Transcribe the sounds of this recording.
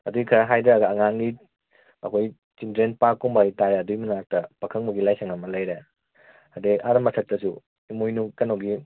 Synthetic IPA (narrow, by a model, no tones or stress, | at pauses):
ɐduikʰɐɾɐɦajdɐɾaɡɐːŋaŋni | ɐ̰kʰoj | t͡ʃindɾenpakːɔmbajtaɾeɐdujmunak̚tɐpɐkʰɐŋmuɡilajsɐŋɐmɐlajɾe | ɐdeʔaɾɐmɐsʰɐt̚tɐsu | imojnukɐnoɡi